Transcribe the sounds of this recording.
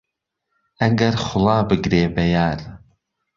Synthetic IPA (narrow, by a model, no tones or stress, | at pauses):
ɐŋɡɐɾχʊlˠɑːbɨɡɾeːbɐjaːɾ